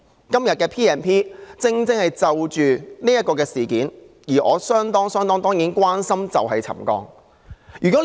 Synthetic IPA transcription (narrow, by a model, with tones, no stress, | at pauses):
kɐ˥mjɐ˨t̚kɛː˧pʰiː˥ɛː˨npʰiː˥t͡sɪ˧ŋt͡sɪ˥ŋhɐ˨jt͡sɐ˧wt͡ʃyː˨niː˥jɐ˥t̚kɔː˧k̬ɛː˧siː˨˩kiː˨˥n | jiː˨˩ʔɔ̰ː˨˧sœː˥ŋt̪ɔː˥ŋsœː˥ŋt̪ɔː˥ŋt̪ɔː˥ŋjiː˨˥nkʷwaː˥nsɐ˥mt͡sɐ̰˨wɦɐ˨jt͡sʰɐ̰˨˩mkɔ̰ː˧ŋ | jyː˨˩kɔ˨˥